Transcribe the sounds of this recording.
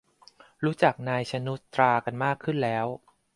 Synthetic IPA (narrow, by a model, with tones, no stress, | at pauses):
ɾuː˦˥t͡ɕa˨˩k̚naː˧jt͡ɕʰa˧nu˦˥t̪ːɾaː˧ka˧nmaː˥˩kʰːɯ˥˩nlɛː˦˥w